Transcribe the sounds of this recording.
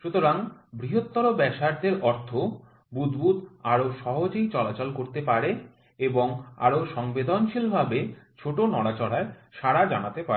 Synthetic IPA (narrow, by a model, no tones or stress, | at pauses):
ʃut̪oɾaŋbɾiɦot̪ːɔɾobɛʃaɾd̪eɾʔɔɾt̪ʰo | bud̪bud̪aɾoʃɔɦod͡ʑejt͡ɕɔlat͡ɕɔlkoɾt̪epaɾe | eboŋa̰ɾoʃɔŋbed̪onʃilbʱabet͡ɕʰoʈonɔɽat͡ɕɔɽ̤aeʃaɾad͡ʑanat̪epae